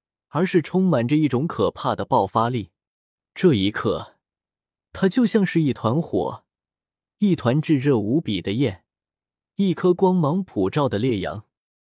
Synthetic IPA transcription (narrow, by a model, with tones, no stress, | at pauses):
ə˞˧˥ʂɻ̩˥˩ʈ͡ʂʰʊ˥ŋma˨˩nʈ͡ʂə˧i˥˩ʈ͡ʂʊ˧˥ŋkʰɤ˨˩pʰa˥˩d̪ə˩pɑ˥˩ʊfa˥li˥˩ | ʈ͡ʂɤ˥˩i˧˥kʰɤ˥˩ | t̪ʰa˥t͡ɕjo˥˧ʊɕjɑ˥˧ŋʂɻ̩˥˧i˥˩t̪ʰwa˧˥nxwɔ̰˨˩˦ | i˥˩t̪ʰwa˧˥nʈ͡ʂɻ̩˥˧ɻɤ˥˩u˧˥pi˨˩d̪ə˦jɛ˥˩n | i˥˩kʰɤ˥kwɑ˥ŋmɑ˧˥ŋpʰu˨˩ʈ͡ʂɑ˥˩ʊd̪ə˩ljɛ˥˩jɑ̰˧˥ŋ